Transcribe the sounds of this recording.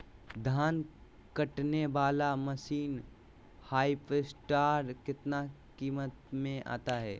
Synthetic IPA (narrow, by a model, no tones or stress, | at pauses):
d̪ʱaːn | kəʈneʋaːlamɐʃiːn | haːipesʈaːɾkɪt̪na | kiːmət̪mẽʔa̰ːt̪aɦɛː